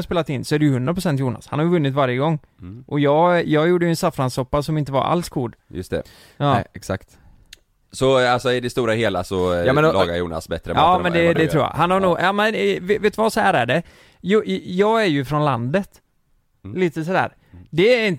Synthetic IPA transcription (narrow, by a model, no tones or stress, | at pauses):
speːlat̪ɪnːsɔæɖɛjɵhɵnd̪ɾapɾʊsɛnt̪̬juːna̰shanhaɾjʏvɵnːɪt̪vaɾjəɡɔŋː | ʔɔjɑːɡjɑːɡjuːɖːəjɵɛnsafɾansɔpːasɔmɪnt̪əva̰ɾa̰lskʰuːɖ̪jɵ̰st̪ɛ̰ | ɑɛksakt̪ | sɔalsɔɪd̪ɛst̪uːɾaheːlasɔɑ̰ːɡaɾjṵːna̰sbɛt̪ːɾəɑːmɛnd̪ɛd̪ɛt̪ʰɾuːjɑ̰hanhaɾnuːɡjɑːmɛnvveːt̪əvasɔhæːɾæɖɛ | jjɑːɡæɾjɵfɾɔnland̪ət̪ | liːt̪əs̬ɔd̪æ̰ːɾ | d̪ɛɾɪnt̪